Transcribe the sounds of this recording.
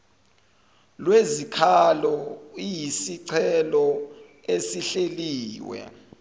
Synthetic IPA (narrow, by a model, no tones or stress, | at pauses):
lwezikʰalɔijisiǀʰɛlɔ | esiɬeliːwɛ̰